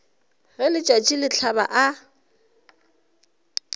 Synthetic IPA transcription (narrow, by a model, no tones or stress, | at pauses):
ɣɛlɪt͡ʃʼat͡ʃʼɪlɪt͡ɬʰaba̰ʔa